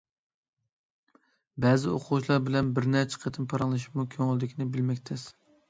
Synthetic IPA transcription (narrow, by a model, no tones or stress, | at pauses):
bɛːzɪoqʰʊwut͡ʃlˠɑɾbɪlɛnbɪɾnɛt͡ʃʰə̥qʰet̪ʰɨnpʰɑɾɑŋlˠɨʃi̥mukʲʰøŋɪld̪ɪkʲinɪbɪlmɛkʲt̪ʰɪs